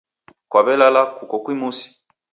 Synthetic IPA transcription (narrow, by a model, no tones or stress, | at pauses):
kwaβɛlalakukɔkwimusi̥